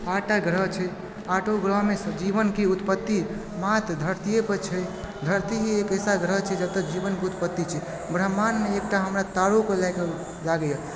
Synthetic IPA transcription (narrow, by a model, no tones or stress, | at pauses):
aʈaɡɾəɦt͡ʃʰɛ | aʈoɡɾəɦmesəd͡ʒibənkeut̪pət̪ːi | mat̪d̪ʱəɾt̪ijepət͡ʃʰɛ | d̪ʱəɾt̪iɦiekəsaɡɾəɦt͡ʃʰɛd͡ʒəb̚t̪əd͡ʒibənkeut̪pət̪ːit͡ʃʰɛ | bɾəɦmanmeːk̚ʈaɦəmɾat̪aɽokelajke | laɡəja